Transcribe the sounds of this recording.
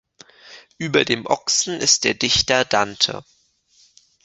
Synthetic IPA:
ʔyːbɐdeːmʔɔksn̩ʔɪst̚d̥eːɐdɪçtɐdantʰə̰

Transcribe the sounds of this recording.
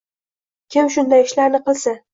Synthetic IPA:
kʲʰɪmʃʊnd̪ajɪʃlaɾnɪqɨlˠsɪ

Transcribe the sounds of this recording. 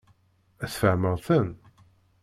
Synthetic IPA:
æθfæməʁθən

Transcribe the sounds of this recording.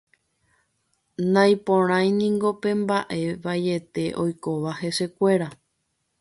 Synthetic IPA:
nãj̃põɾ̃ãj̃nĩŋɡo̞pẽ̞mbaʔe̞ʋaje̞t̪e̞ʔo̞jko̞ʋahe̞se̞kʷe̞ɾa

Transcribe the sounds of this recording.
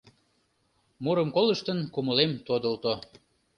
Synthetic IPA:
muɾəmkoləʃt̪ənkuməlemt̪od̪ə̆lt̪o

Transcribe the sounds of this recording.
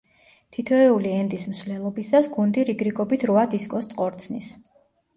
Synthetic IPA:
t̪ʰit̪ʰɔɛuliɛnd̪ism̩svlɛlˠɔbisasɡund̪iɾiɡɾiɡɔbit̪ʰɾuad̪iskʼɔst̪ʼqʼɔɾt̪sʰnis

